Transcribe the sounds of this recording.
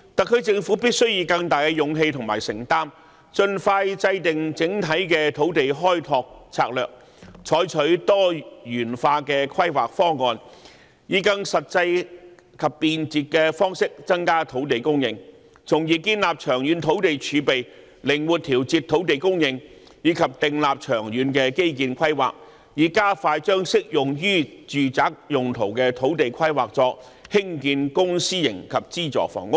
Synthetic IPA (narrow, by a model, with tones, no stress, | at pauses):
t̪ɐ˨kʰɵ˨˧t͡sɪ˧ŋfuː˨˥pi˥t̚sɵ˥ɥjiː˧kɐ˧ŋt̪aː˨˩jkɛ˧jʊ˨ŋɦe˧jt̪ʰʊ˨˩ŋma̰ː˨˩jsɪ˨˩ŋt̪aː˥m | t͡ʃɵ˧nfaː˧jt͡sɐ˧jt̪ɪ˨ŋt͡sɪ˨˥ŋt̪ʰɐ˨˥jkɛː˧t̪ʰo˨˥wt̪e˨jɦɔː˥jt̪ʰɔː˧k̚t͡sʰa̰ː˧k̚lœː˨k̚ | t͡ʃʰɔː˨˥jt͡ʃʰɵ˨˥ɥt̪ɔː˥jyː˨˩nfaː˧kɛː˧kʰwɐ˥jwa̰ː˨k̚fɔː˥ŋɔː˧n | jiː˨˧kɐ˧ŋsɐ˨t̚t͡sɐ˧j | kʰɐ˨pːiː˧nt͡siː˨t̚kɛː˧fɔː˥ŋsɪ˥k̚t͡sɐ˥ŋkaː˥t̪ʰo˨˥wt̪̬e˨jkʊ˥ŋjɪ˧ŋ | t͡sʰʊ˨˩ŋjiː˨kiː˧nlaː˨p̚t͡ʃʰœː˨˩ŋjyː˨˧nt̪ʰo˨˥wt̪e˨jt͡ʃʰyː˨˧pe˨j | lɪ˨˩ŋwuː˨˩t̚t̪ʰiː˨˩wt͡siː˧t̪ʰo˨˥wt̪e˨jkʊ˥ŋjɪ˨ŋ | jiː˨˧˥kʰɐ˨p̚t̪ɪ˨ŋlaː˨p̚t͡ʃʰœː˨˩ŋjyː˨˧nkɛː˧ke˥jk̬iː˧nkʷʰɐ˥jwa̰ː˨˩k̚ | jiː˨kaː˥faː˧jt͡ʃœː˥ŋsɪ˥k̚jʊ˨˩ŋjyː˥t͡ʃyː˨t͡saː˨˥k̚jʊ˨ŋt̪ʰo˨˩wkɛː˧t̪ʰo˨˥wt̪e˨jkʰɐ˥jwaː˨˩k̚t͡sɔː˧ | hɪ˥ŋkiː˧nkʊ˥ŋsiː˥jɪ˨˩ŋkʰɐ˨p̚t͡siː˥t͡sɔ̰ː˨˩fɔ̰ː˨˩ŋʊ˥k̚